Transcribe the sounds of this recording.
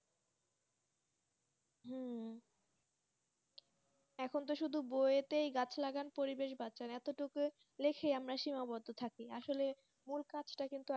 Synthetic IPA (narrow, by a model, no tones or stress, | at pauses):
ɦ | ɛkʰont̪̬oʃud̪ʱubojet̪ejɡat͡ɕʰlaɡanpoɾibeʃbatːɕanɛt̪oʈuk | lekʰeamɾaʃimabɔd̪ʱːot̪ʰakiaʃole | mulkat͡ɕʰʈakint̪u